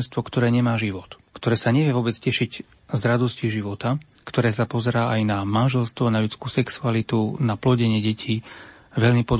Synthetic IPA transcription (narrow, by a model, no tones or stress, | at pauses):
nst̪ʋɔkt̪ɔɾɛːɲɛmaːʒiʋɔt̪kt̪ɔɾɛːsaɲɛʋɪɛʋʊɔbɛt͡scɛʃiɟ | zɾad̪ɔsciʒiʋɔt̪a | kt̪ɔɾɛːs̬apɔzɛɾaːajnamanʒɛlst̪ʋɔnaʎut͡skuːsɛksualit̪unaplɔɟɛɲɪɛɟɛcʰiː | ʋɛʎmipɔd̪